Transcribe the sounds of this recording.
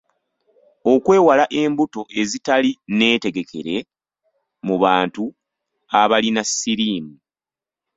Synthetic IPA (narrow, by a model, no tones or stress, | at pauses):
o̞kwe̞ːwalaʔe̞mbuto̞ʔe̞zitaline̞ːte̞ɡe̞kʰe̞̰ɾe̞ | muβaːntu | aβalinasːiɾiːmu